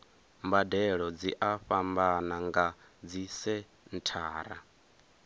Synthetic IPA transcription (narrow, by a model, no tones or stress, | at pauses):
mbadɛɺɔd͡ziʔaɸambanaŋɡa | d͡zisɛ | n̩tʰaːɾa̰